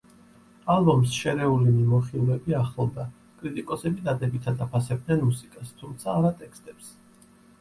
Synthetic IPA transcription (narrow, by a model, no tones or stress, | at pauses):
alˠbɔmsʃɛɾɛulimimɔχilˠɛbiaχlˠɔvd̪a | kʼɾit̪ʼikʼɔsɛbid̪ad̪ɛbit̪ʰad̪apʰasɛb̚d̪nɛnmusikʼast̪ʰumt̪sʰaːɾat̪ʼɛkst̪ʼɛps